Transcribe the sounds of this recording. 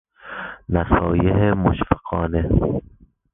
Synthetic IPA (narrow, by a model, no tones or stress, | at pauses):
næsɒːjeɦemoʃfeqɒːne